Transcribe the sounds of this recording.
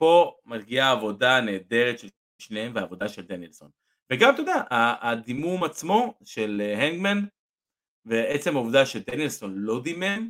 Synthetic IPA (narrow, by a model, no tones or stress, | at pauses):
po̞matɡiaːvo̞dane̞ːd̪e̞ʁet̪ʃel | ʃnehemveaːvo̞d̪aʃeld̪enjelso̞̰n | veɡamt̪o̞d̪aʔaːd̪imumat͡smo̞ʃelɦeŋɡman | veet͡se̞mauvd̪aʃeld̪enjelso̞nlo̞d̪imem